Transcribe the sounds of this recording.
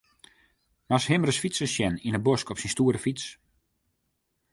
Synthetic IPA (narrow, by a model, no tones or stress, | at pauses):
masɦɪmrəsfisəsjɛninəboskɔpsinstuːəɾəfis